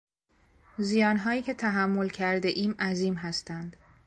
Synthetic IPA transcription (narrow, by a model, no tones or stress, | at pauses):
zijɒːnɦɒːjiːcʰe̞t̪ʰæɦæmːo̞lcʰæɾd̪eʔiːmæziːmɦæst̪ænd̪̥